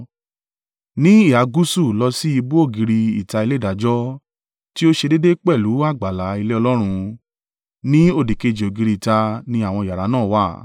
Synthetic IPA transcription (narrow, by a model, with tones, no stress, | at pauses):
nĩ˦i˦˨a˨˦ɡu˦su˦˨lɔ˧si˦i˧bu˦o˦˨ɡi˧ɾi˧i˨ta˧i˧le˦˨da˨d͡ʒɔ˦ | ti˦o˦ʃe˧de˦de˦k͡pɛ˦˨lu˨˦a˦˨ɡ͡ba˨la˨˦i˧le˦ɔ˧lɔ˦ɾ̃ũ˧ | nĩ˦o˦˨di˨ke˧˨d͡ʒe˨o˨ɡi˨˧ɾi˧˨ta˧nĩ˧˦a˦˨w̃ɔ̃˧i˨ja˨ɾa˨˦nãː˦˨wa˦˨